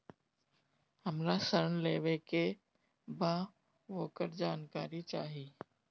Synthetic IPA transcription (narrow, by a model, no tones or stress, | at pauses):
həmɾasəɾəɳleːʋeke | baː | ʋoːkəɾd͡ʒaːnkaːɾit͡ʃaːɦiː